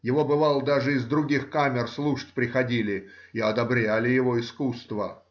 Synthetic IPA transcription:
jɪvo̞bɨvɑlˠəd̪aʐɨɪzd̪ɾʊɡʲixkamʲɪrslˠuʂə̥tʲpɾʲɪxɐdʲilʲɪɪɐd̪ɐbɾʲælʲɪjɪvo̞ɪskust̪və

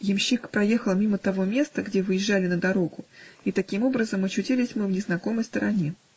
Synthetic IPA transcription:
jɪmɕːikpɾɐje̞xəlˠmʲimət̪ɐvo̞mʲe̞st̪əɡdʲe̞vɨjɪʒːalʲɪnəd̪ɐɾo̞ɡʊit̪ɐkʲimo̞bɾəzəmɐt͡ɕʉtʲilʲɪsʲmɨvnʲɪznɐko̞məjst̪əɾʔɐnʲe̞

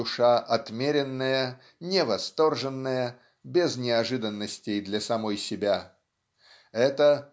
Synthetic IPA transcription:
ʊʂaʔɐt̪mʲeɾʲɪnːəjə | nʲɪvɐst̪o̞rʐɨnːəjə | bʲɪznʲɪɐʐɨd̪ənːəsʲtʲɪjd̪lʲɐsɐmo̞jsʲɪbʲa | ɛt̪ə

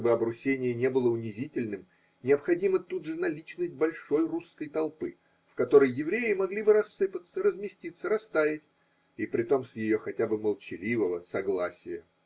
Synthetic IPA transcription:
bɨɐbɾʊsʲenʲɪjənʲe̞bɨlˠəʊnʲɪzʲitʲɪlʲnɨm | nʲɪəpxɐdʲimət̪ud̪ʐɨnɐlʲit͡ɕnəsʲt̚ʲbɐlʲʂo̞jruskəjt̪ɐlˠpɨ̰ | fkɐt̪o̞ɾəjjɪvɾʲejɪmɐɡlʲibɨɾɐsːɨpət̪səɾəzmʲɪsʲtʲit̪səɾɐst̪avʲɪtʲ | ipɾʲɪt̪o̞msjɪjo̞xɐtʲabɨməlˠt͡ɕɪlʲivəvəsɐɡlˠasʲɪjə

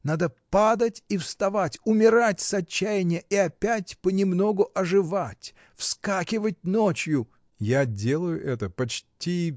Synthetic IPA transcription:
nad̪əpad̪ətʲifst̪ɐvatʲʊmʲɪɾatʲsɐt͡ɕːæjɪnʲɪjəʔiɐpʲætʲpənʲɪmno̞ɡʊʔɐʐɨvatʲ | fskakʲɪvətʲnot͡ɕjʊ | jadʲelˠəjʊʔɛt̪əpɐt͡ɕtʲi

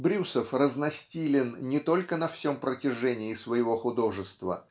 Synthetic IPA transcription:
bɾʲusəfrəznɐsʲtʲilʲɪnnʲɪt̪o̞lʲkənɐfsʲo̞mpɾətʲɪʐɛnʲɪːsvəjɪvo̞xʊd̪o̞ʐɨst̪və̰

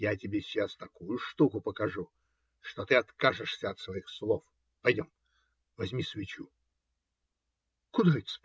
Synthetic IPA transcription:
jatʲɪbʲesʲːast̪ɐkujʊʂt̪ukʊpəkɐʐu | ʂt̪ot̪ɨɐt̪kaʐɨʂsʲəɐt̪svɐixslˠof | pɐjdʲom | vɐzʲmʲisvʲɪt͡ɕu | kʊd̪aɪt̪ʲsp

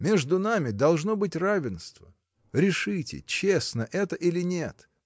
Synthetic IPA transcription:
mʲeʐd̪ʊnamʲɪd̪ɐlˠʐno̞bɨtʲravʲɪnst̪və̰ | ɾʲɪʂɨtʲɪ̰t͡ɕesnəʔɛt̪əʔilʲɪnʲe̞t̪

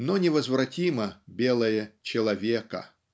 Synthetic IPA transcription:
nonʲɪvəzvrɐtʲimɐbʲelˠəjət͡ɕɪlˠɐvʲekɐ̰

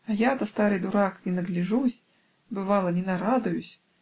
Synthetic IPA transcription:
ajat̪ɐst̪aɾɨd̪uɾaknʲɛnɐɡlʲiʐusʲ | bɨvalˠɐnʲɛnaɾad̪ʊjusʲ

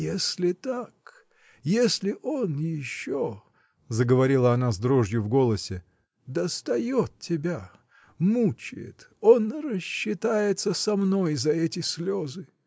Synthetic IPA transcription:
jesʲlʲɪt̪ak | jesʲlʲɪʔonjɪɕːo | zəɡəvɐɾʲilˠəɐnazd̪ɾoʐjʊvɡo̞lˠəsʲɪ | d̪əst̪ɐjo̞t̪̚tʲːɪbʲa | mut͡ɕɪ̰jɪ̰t̪onɾəɕːɪt̪ajɪt̪səsɐmno̞jzɐɛtʲɪsʲlʲozɨ

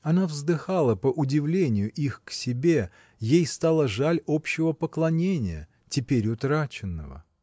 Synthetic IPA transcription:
ɐnavzd̪ɨxalˠəpəʔʊdʲɪvlʲenʲɪjʊʔixksʲɪbʲe̞ | jejst̪alˠəʐalʲo̞pɕːɪvəpəklˠɐnʲenʲɪjə̰ | tʲɪpʲeɾʲʊt̪ɾat͡ɕɪnːə̰və̰

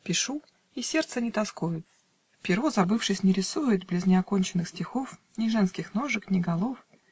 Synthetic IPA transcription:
pʲɪʂu | isʲe̞rt̪sənʲɪt̪ɐskojʊt̪ | fpʲɪɾozɐbɨfʂɨsʲnʲɪɾʲɪsujɪt̪̚blʲɪznʲɪɐkonʲt͡ɕɪnːɨxsʲtʲɪxof | nʲɪʐɛnskʲɪxno̞ʐɨknʲɪɡɐlˠof

